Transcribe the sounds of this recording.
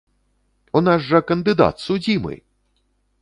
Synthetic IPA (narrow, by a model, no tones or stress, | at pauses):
unazʐɐkɐnd̪ɨd̪a̰t̪sud͡zʲimɨ̰